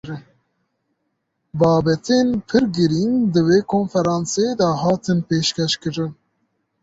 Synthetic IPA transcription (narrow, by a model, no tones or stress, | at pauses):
ɾ | bɑːbɛt̪ʰenpʰɨɾɡɨɾind̪ɨweːkʰoːnfɛɾɑːnsed̪ɛhɑːt̪ʰɨnpeːʃkɛʃkɨɾɨn